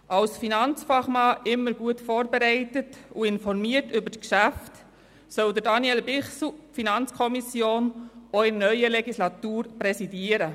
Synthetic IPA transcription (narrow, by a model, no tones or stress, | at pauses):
ʔɑlsfinɑnt͡sfɑχmɑːʔɪmːəɾɡuətfoːɾbɛɾɛɪtətuɪnfɔɾmiətʏbəɾtkʃæft | sœld̪əɾdɑnjɛlbɪχsl̩finɑnt͡skʰɔmisjoːnɔɪnœʏəlɛɡislɑt̪uːɾpɾɛsidiəɾə